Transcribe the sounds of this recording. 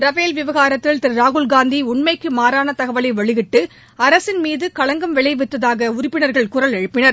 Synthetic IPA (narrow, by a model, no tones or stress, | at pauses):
ɾɐʋeːlʋɪʋɐɣaːɾɐt̪ːɪlt̪ɪɾɾaːɣɯlɡaːnd̪iʊɳmɐɪkːɯmaːɾaːnɐt̪ɐɣɐʋɐlɐɪʋɐɭɪɣɪʈːɯ | ɐɾɐsɪnmiːðɯkɐɭɐŋɡɐmʋɛɭɐɪʋɪt̪ːɐðaːɣɐʊɾɪpːɪnɐɾɣɐɭkʊɾɐlɛɻɯpːɪnɐɾ